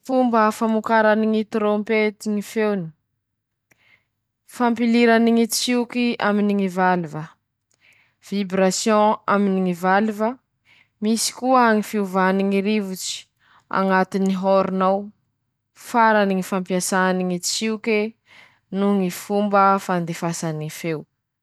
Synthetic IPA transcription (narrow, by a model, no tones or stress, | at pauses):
fumbəfamukaɾaniŋit̪ɾompet̪iŋifewni̥ | fampiliɾaniŋit͡siukiaminiŋivalivə | v̥ibɾasjɔ̃aminiŋivalivə | misi̥kuəaŋifiuvaniŋiɾivut͡si̥ | a̰ŋat̪iniɦoɾunaw | faɾaniŋifãmpiasaaniŋit͡siuke | nuŋifumbəfand̪efasaniifew